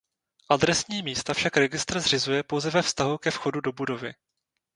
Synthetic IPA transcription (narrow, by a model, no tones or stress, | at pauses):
ʔad̪ɾɛsɲiːmiːst̪afʃakɾɛɡɪst̪r̩zrɪzujɛpo̞wzɛvɛfst̪aɦukɛfxo̞dudo̞budo̞vɪ